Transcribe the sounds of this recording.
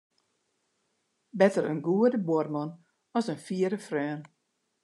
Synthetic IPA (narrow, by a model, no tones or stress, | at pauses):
bɛtəɾənɡuədəbɔrmɔn | ɔsənfiːəɾəfrœːn